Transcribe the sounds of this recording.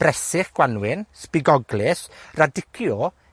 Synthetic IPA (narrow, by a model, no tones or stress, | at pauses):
b̥rɛsɪχɡ̥wanwɪnspɪɡɔɡlɪsradɪkʰjɔ